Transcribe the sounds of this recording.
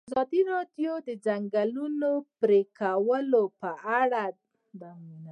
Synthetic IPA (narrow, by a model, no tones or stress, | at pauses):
azɑd̪iɾɑɖjod̪əd͡ʒaŋɡalunopɾekawəlopəaɽa | d̪amuna